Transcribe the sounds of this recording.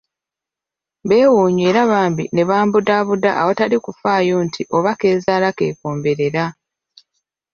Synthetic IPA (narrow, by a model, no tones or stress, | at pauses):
βe̞ːwuːɲe̞ːɾaβaːmbine̞βaːmbudaːβudaːwo̞talikufaːjo̞ntʰiʔo̞βake̞ːzaːlake̞̰ːkoːmbe̞ɾe̞ɾa